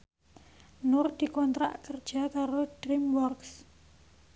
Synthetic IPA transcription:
nʊrd̪̥i̤kɔnt̪ɾa̰ʔkərd̥ʒ̥a̤kaɾod̥ɾimwɔrks

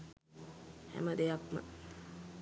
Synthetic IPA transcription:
hæ̰məd̪ejakmə̰

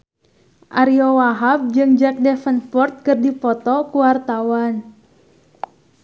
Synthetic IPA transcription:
ʔaɾiowaɦap̚d͡ʒɨŋd͡ʒak̚dɛfənpɔrt̪̚kɨrdipɔt̪ɔkuwart̪awan

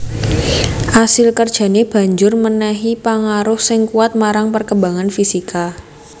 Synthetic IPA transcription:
ʔasɪlkərd̥ʒ̥a̤neb̥a̤ɲd͡ʒʊrmənaɦipaŋaɾʊhsɪŋkuat̪̚maɾaŋpərkəmbaŋanfisika

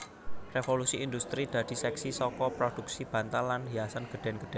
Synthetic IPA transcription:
refolusiind̪ust̪ɾid̪̥ä̤d̪̥i̤sɛksisɔkɔpɾod̪̥uksib̥ä̤nt̪alːanɦiasanɡ̥ə̤ɖ̥̪ɛ̤nɡ̥ə̤ɖ̥ɛn

